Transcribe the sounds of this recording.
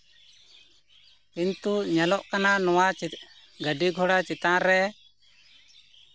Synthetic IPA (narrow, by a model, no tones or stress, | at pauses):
pint̪uʔɲalɔʔkananɔwat͡ʃit̪̚ | ɡəɖiɡʱɔɽat͡ʃit̪aɾɛ